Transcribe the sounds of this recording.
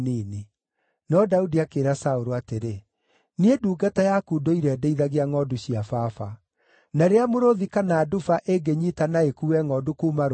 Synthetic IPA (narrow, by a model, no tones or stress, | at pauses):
nini | nɔdaudiakeːɾasaoɾoateɾe | nieduːɡatajakudoiɾɛdeiðaɣeaŋɔduɕiafafa | naɾeamoɾoðikanaːdufaʔeɡeɲitanaekuwɛŋɔdukuːmaɾ